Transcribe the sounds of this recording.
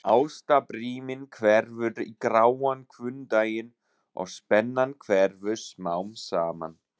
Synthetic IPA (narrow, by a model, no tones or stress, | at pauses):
aːwst̪apɾiːmɪnkʰvɛɾvʏɾikɾaːwankʰvʏnt̪aːjɪn | ɔ̰ɣspɛnːankʰvɛɾvʏ̥smaːwmsaːma̰n